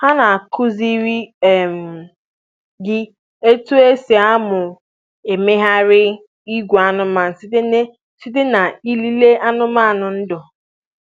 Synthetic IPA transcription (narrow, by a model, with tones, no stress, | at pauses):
ha˦na˨a˨kʰʊ˦zi˦ɾi˦e˦m̩˨ | ɡɪ˦ | e˦tu˦e˦se˨a˦mʊ˨ | e˨me˦ɦa˦ɾɪ˦ | i˦ɡʷo˨a˦nʊ˦ma˨n̩˨˦ | si˦dɪ˦na˨i˦li˦le˦ʔa˦nʊ˦ma˦a˨nʊ˨n̩˦dɔ˨